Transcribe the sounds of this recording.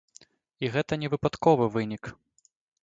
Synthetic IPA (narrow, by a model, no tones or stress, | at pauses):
iɣɛt̪ɐnʲɛvɨpat̪kɔvɨvɨnʲik